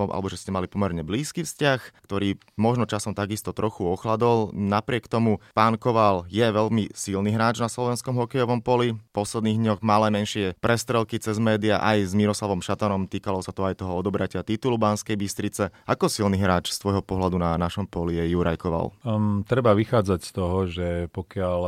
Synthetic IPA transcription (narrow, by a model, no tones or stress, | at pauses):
ʔa̰lɛbɔʒɛscɛmalipɔmɛɾɲɛbliːskiːfscaxkt̪ɔɾiː | mɔʒnɔt͡ʃasɔmt̪aɡist̪ɔt̪ɾɔxuɔxlad̪ɔlnapɾɪɛkt̪ɔmupaːnkɔʋaljɛʋɛʎmisilniɦɾaːd͡ʒnaslɔʋɛnskɔmɦɔkɛjɔʋɔmpɔlipɔslɛd̪niːɣd̪ɲɔɣmalɛːmɛnʃɪɛpɾɛst̪ɾɛlkit͡sɛzmɛːd̪iaʔajzmiɾɔslaʋɔmʃat̪anɔmt̪iːkalɔsat̪ɔajt̪ɔɦɔɔd̪ɔbɾacɪat̪it̪ulubanskɛjbist̪ɾit͡sɛakɔsilniɦɾaːt͡ʃst̪ʋɔjɦɔpɔɦlad̪unanaʃɔmpɔlijɛjuɾajkɔʋa̰lt̪ɾɛbaʋixaːd͡zacst̪ɔɦɔʒɛpɔkɪal